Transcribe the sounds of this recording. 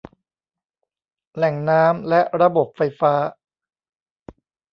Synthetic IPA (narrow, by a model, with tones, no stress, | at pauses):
lɛ˨˩ŋnaː˦˥mlɛ˦˥ʔɾa˧bo˨˩p̚fa˧˥jfaː˦˥